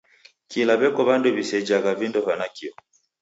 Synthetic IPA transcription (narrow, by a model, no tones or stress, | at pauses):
kilaβɛkɔβandɔβisɛd͡ʒaɣavindɔvanakiɔ